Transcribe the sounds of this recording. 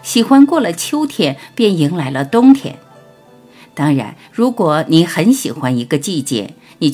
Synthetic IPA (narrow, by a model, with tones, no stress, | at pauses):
ɕi˨˩xwa˥nkwɔ˥˩lə˩t͡ɕʰjo˥ʊt̪ʰjɛ˨˩npjɛ˥˩ni˧˥ŋla˧˥ɪlə˧t̪ʊ˥ŋt̪ʰjɛ̰˧˩˦n | t̪ɑ˥ŋɻa̰˧˥n | ɻu˧˥kwɔ˧˩ni˧˥xə˧˥nɕi˨˩xwa˥ni˧˥ɡə˧t͡ɕi˥˧t͡ɕjɛ̰˥˩ | ni˨˩